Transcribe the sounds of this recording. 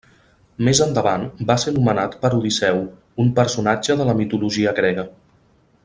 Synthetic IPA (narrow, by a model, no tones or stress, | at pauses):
mezənd̪əβanbasenumənat̪pəɾuðisɛw | umpəɾsunad͡ʒəðələmit̪uluʒiəɣɾɛɣə